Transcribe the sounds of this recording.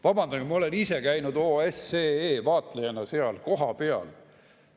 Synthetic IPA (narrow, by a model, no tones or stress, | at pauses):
vɑb̥ɑnd̪ɑɡmɑo̞le̞nise̞kæjnud̪oːeseeːvɑːt̪lejɑnɑseɑlko̞ɦɑpe̞ɑ̰l